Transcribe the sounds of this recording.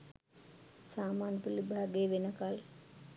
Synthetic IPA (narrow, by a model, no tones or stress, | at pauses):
saːmaːnəpulibʱaːɡejʋenəkal